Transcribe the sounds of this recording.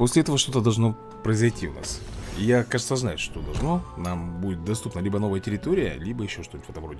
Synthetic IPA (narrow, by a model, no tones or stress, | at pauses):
posʲlʲɪɛt̪əvəʂt̪o̞t̪əd̪ɐlˠʐno̞ | pɾəɪzɐjtʲiʊ̰na̰sijakaʐɨt̪səznajʊʂt̪od̪ɐlˠʐno̞nambudʲɪt̪̚d̪ɐst̪upnəlʲibəno̞vəjətʲɪɾʲɪt̪oɾʲɪjə̰lʲibəjɪɕːoʂt̪onʲut̪ʲvɛt̪əmvro̞dʲɪ